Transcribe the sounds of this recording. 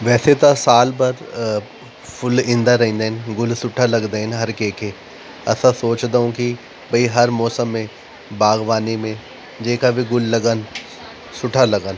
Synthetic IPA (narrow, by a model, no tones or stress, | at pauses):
ʋɛːset̪asaːlpɐɾ | pʰʊlĩːnd̪aɾɐɦĩːnd̪aɦɪnɡʊlsʊʈʰalɐɡd̪aɦɛnɦɐɾkẽːke | ɐsasoːt͡ʃd̪aũki | bʱɐiɦɐɾmɔːsəmːẽ | baːɡʋaːnimẽ | d͡ʒeːkabʱiɡʊlːɐɡən | sʊʈʰalɐɡən